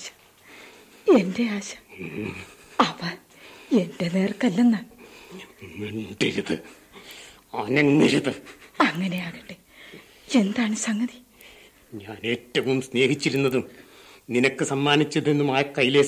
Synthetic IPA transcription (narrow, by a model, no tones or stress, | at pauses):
ɕɐ̥ | e̞nde̞aːɕɐ̥ | ɐpɐ | e̞ndene̞ːrkɐlːɐnːa | enɖiɾuðɨ̰ | aːneŋŋːiɾuðɨɐŋːɐne̞jaːɽiʈɖe | e̞nd̪aːɳɨsɐŋːɐði̥ | ɲaːne̞ːtːɐʋumsne̞ːhit͡ɕːiɾunːɐðumninɐkːɨsɐmːaːnit͡ɕːɐðenːumaːkːɐjile